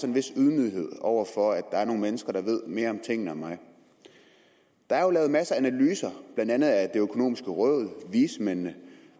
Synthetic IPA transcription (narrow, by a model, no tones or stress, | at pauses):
sɒenʋe̝suðˠmyð̰ˠihe̝ð̞̰ˠɒʊ̰ɐfɒ̽æd̥ɑ̈æɐno̝ːŋn̩menəsɡ̥ɐɾ̥ɑ̈ʋe̝ð̞̰ˠme̝ːɐɒ̽mt͡sʰe̝ŋ̰nəæmɑ̈ɪ | d̥ɑ̈æɐjolɛːʊmæsəænælyːsɐb̥lænd̥ænð̞̩ˠæd̥e̝økʰo̝no̝̰ːmisɡ̥əʁœðˠʋiːsmenə